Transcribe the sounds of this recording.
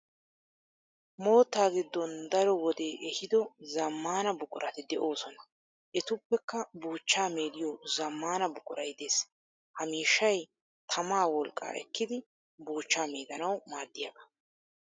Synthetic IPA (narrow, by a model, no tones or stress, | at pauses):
mo̞ːt̪ːaːɡɪd̪ːɔnd̪ɐɾɔwɔd̪e̞ːʔɛhɪd̪ɔzɐmːaːnɐbʊkʼʊɾʔɐt̪ɪd̪ɛʔo̞ːsɔnɐ | ʔɛt̪ʊpːɛkːɐbuːt͡ʃːaːme̞ːd̪ɪjɔzɐmːaːnɐbʊkʼʊɾɐjd̪eːs | hɐmiːʃːɐj | t̪ʰɐmaːwɔlkʼːa̰ːʔɛ̰kːɪd̪ɪ | buːt͡ʃːaːme̞ːd̪ɐnɐwmaːd̪ːɪjɐɡɐ̥